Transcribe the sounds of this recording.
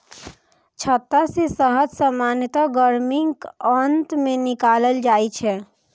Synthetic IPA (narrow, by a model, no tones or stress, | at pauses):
t͡ʃʰət̪ːasesəɦət̪səmaːnjət̪aɡəɾmɪŋɡənt̪mẽnɪkaːləld͡ʒaːit͡ʃʰɛ